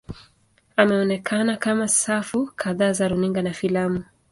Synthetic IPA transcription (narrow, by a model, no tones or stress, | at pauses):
amɛɔnɛkʰanakamasafukʰaðaːzaɾuniŋɡanafilamu